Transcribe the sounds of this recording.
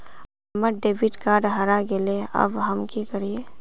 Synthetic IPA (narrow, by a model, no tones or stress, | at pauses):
ɐməɾɖeːbiʈkaːɾɖɦəɾaɡeleɐ̰bɦəmkikəɾie